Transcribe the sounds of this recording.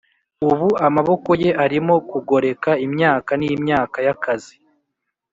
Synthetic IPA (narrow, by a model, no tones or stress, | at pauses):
uβuamaβo̞ko̞je̞ʔaɾimo̞kuɡo̞ɾe̞kaimɲaːkanijimɲaːkajakazi